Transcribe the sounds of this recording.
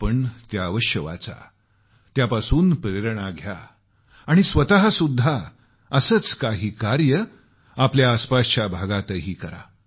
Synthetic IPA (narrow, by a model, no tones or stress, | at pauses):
pəɳt̪jaəʋəɕjəʋa̰t͡sa̰ | t̪japasuːnpɾeɾɳ̃aɡʱja̰ː | ɽ̃isʋət̪aɦasud̪ʱːa | əsəːt͡skaɦiːkaɾjə | apljaːspast͡ɕjabʱaɡat̪əɦiːkəɾa̰